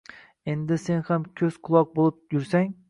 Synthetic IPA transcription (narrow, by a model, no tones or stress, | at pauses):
e̞nd̪ɪsenhamkʲʰɵz̥qʰʊlˠɒq̚bolˠɪp̚jʊɾsaŋ